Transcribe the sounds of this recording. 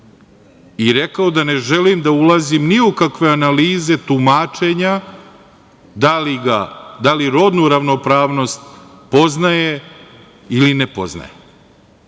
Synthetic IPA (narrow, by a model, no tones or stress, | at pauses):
iɾe̞kaod̪ane̞ʒe̞limd̪aulazimniukakʋe̞analiːze̞t̪umat͡ʂe̞ɲa | d̪aliɡad̪aliɾo̞d̪nuɾaʋno̞pɾaːʋno̞st̪ | po̞znaje | ilinepo̞̰zna̰je